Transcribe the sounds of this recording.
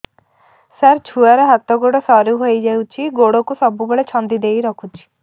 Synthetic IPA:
saɾt͡ʃʰuaɾɔɦat̪ɔɡoɽɔsɔɾuɦojd͡ʒawt͡ʃʰiɡoɽɔkusɔbubeɭet͡ʃʰɔnd̪id̪ejɾɔkʰut͡ʃʰi̥

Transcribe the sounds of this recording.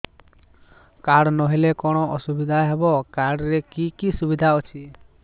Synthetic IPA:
kaɽnɔɦilekɔɽ̃ɔʔɔsubid̪ʱaɦebɔkaɽɾekikisubid̪ʱaɔt͡ʃʰi

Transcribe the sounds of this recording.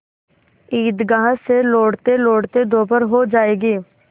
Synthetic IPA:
iːd̪ɡaːɦseloːɽt̪eloːɽt̪ed̪oːpəɾɦod͡ʒaːeːɡiː

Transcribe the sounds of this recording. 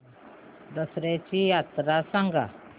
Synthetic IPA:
d̪əsɾet͡ɕijat̪ɾasə̃ŋɡa̰

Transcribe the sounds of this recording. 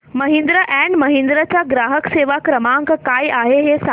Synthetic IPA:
mɐɦĩnd̪ɾəʔɛ̃ːɳɖmɐɦĩn̆d̪ɾət͡ɕaɡɾaːɦəkseːʋakɾəmãŋkkaːiaːɦeɦesa

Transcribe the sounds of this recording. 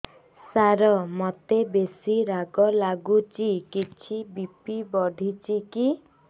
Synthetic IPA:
saɾɔmɔt̪ebesiɾaɡɔlaɡut͡ʃikit͡ʃʰibipibɔɖʱit͡ʃiki

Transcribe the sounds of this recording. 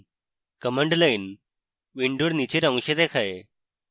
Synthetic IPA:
kəməɳɖlain | ʋiɳɖoɽnit͡ɕeɾə̃w̃ɕet̪ekʰae

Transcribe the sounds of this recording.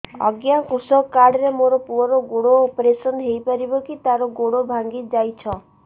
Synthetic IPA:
ɔ̰ɡjakusɔkːaɾɖɾemoɾɔpuɔɾoɡoɽoːpɾesɔnɦejpɔɾibɔkit̪aɾɔɡoɽobʱaŋɡid͡ʒajt͡ʃʰɔ

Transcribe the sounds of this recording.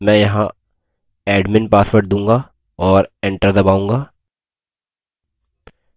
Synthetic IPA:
mɛ̃jɐɦã | ɛːɖmɪnpaːsʋəʈ̚d̪ũːŋɡa | ɔːɾẽɳʈəɾd̪ɐbaːũːŋɡaː

